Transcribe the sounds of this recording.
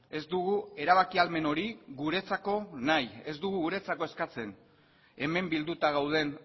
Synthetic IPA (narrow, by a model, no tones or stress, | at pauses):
e̞zd̪uɣue̞ɾaβakialme̞no̞ɾiɣuɾe̞t͡sako̞naje̞zd̪uɣuɣuɾe̞t͡sako̞e̞skat͡se̞n | e̞me̞mbild̪ut̪aɣ̞awð̞e̞n